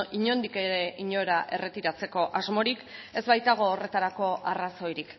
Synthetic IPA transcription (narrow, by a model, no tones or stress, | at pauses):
iɲo̞nd̪ike̞ɾe̞ʔiɲo̞ɾaʔe̞̰re̞t̪iɾat͡se̞ko̞ʔazmo̞ɾike̞zβajt̪aɣ̞o̞ːre̞t̪aɾako̞araso̞jɾik